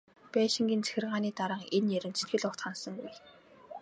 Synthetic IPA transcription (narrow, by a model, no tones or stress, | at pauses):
pæːʃĭŋɡʲiːnt͡sæ̥xʲɪ̆rʁaːniːt̪aɾə̆ːŋenjæɾʲɘ̆nt͡sʰe̥t̪̚ɡɘ̆ɮʊkt̪χansə̆ŋɡuj